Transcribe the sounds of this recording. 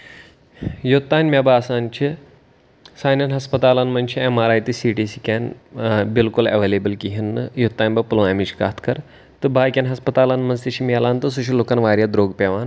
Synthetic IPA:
jut̪ːaːnʲmʲabaːsaːnt͡ʃʰi | saːjnɐnɦɐspɐt̪aːlanmɐnʲt͡ʃʰiemaːɾaːjt̪isiʈiːsikʲɛnbilkulɐ̰ʋeːleːbəlkiɦinːɨjut̪ːaːnʲbɐpulʋãːmit͡ʃʰi̥ka̰ːt̪ʰkɐɾ | t̪ɨbaːjkʲɐnɦɐspɐt̪aːlanmɐnzt̪iʃimilaːnt̪ɨs̬uʃiloːkaːnʋaːɾjad̪ɾoːɡpʲeʋaːn

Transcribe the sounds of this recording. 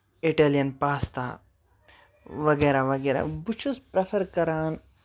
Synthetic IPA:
iʈeːlijɐnpaːst̪a̰ | ʋɐɡeːɾaʋɐɡeːɾa̰but͡ʃʰuspɾɐfʰɐɾkɐɾaːn

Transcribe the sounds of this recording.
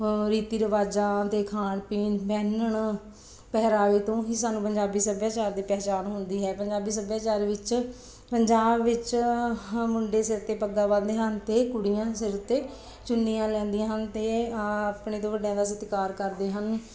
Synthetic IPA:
ɾiːt̪iːɾəʋaːd͡ʒaːt̪eːkʰaːɳpiːnbɛːnəɳ | pɛɦɾaːʋiːt̪õːɦisaːnũːpəɲd͡ʒaːbiːsəbjaːt͡ʃaːɾd̪iːpɛːt͡ʃaːnɦʊnd̪iːɦɛːpəɲd͡ʒaːbiːs̬əbjaːt͡ʃaːɾːʋɪt͡ʃ | pəɲd͡ʒaːbʋɪt͡ʃ | mʊɳɖeːsɪɾt̪eːpəɡd̪aːʋãːd̪eːɦənt̪eːkʊɽɪjãːsɪɾt̪eː | t͡ʃʊnːijãːlɛ̃ːnd̪ijãːɦənt̪eːpɳeːt̪õːʋəɖjãːd̪aːsɪt̪kaːɾkəɾd̪eːɦən

